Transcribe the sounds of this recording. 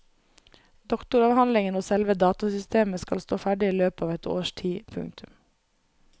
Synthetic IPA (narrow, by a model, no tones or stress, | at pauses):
d̪ɔkt̪ʊɾɑːʋhɑnlɪŋənoːsɛlʋəd̪ɑːt̪ɑsʏst̪eːməskɑlst̪oːfæɖɪiːløːpɑːʋɛt̪ʰo̰ːʃtʰiːpʰʉ̰ŋt̪ʰʉm